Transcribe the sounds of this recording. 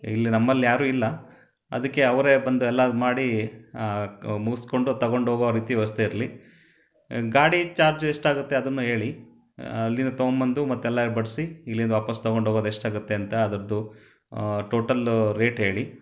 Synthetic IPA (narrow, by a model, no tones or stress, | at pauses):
ilːinɐmːɐlːijaːɾuːilːɐ | ɐ̰d̪ɐkːe̞ɐʋɐɾe̞bɐnd̪uɛlːɐmaːɽi | muɡɐsko̞ɳɖut̪ɐɡo̞ɳɖɦoːɡɐʋɾiːt̪iʋɐst̪eiɾɐli | ɡaːɽit͡ʃaːɾd͡ʒeʂʈaːɡut̪ːe̞ɐd̪ɐnːuɦe̞ːɭi | ɐlːinɐt̪oːmbɐnd̪umɐt̪ːuɛlːɐiɾbɐɽisiilːind̪ɐʋaːpɐst̪ɐɡo̞ɳɖɦoːɡoːd̪eʂʈaːɡut̪ːe̞ɐnt̪ɐːd̪ɐɾɐd̪u | ʈoːʈɐlɾe̞ːʈɦe̞ːɭi